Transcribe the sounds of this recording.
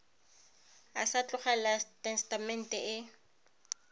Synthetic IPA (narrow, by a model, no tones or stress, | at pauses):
asat͡ɬʼʊχalatʼɛnstamɛn̩tʼɛʔɪ